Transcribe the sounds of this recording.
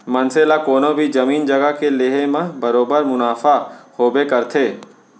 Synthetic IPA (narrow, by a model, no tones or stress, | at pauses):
mɐ̃nselakoːnõbʱid͡ʒɐmiːnd͡ʒɐɡakeleːɦemãbɐɾoːbəɾmʊnaːfahoːbekɐɾt̪ʰeː